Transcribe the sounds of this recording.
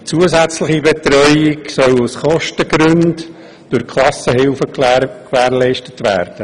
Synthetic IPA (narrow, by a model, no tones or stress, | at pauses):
t͡suəzæt͡slɪχibɛt̪ɾœʏɪksœlusχɔʃtəɡɾʉnd | d̥ʊɾkʰlɑsəɦɪlfəkʋæːɾlɛɪʃtətʋæ̰ːɾd̥ə